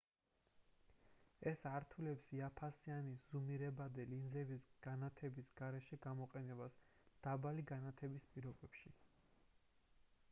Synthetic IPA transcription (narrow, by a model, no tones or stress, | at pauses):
ɛsaɾt̪ʰulɛpsiapʰasianiz̥umiɾɛbad̪ɛlinzɛbisɡ̥anat̪ʰɛbisɡ̥aɾɛʃɛɡamɔqʼɛnɛbasd̪̥abaliɡanat̪ʰɛbispʼiɾɔbɛpʃi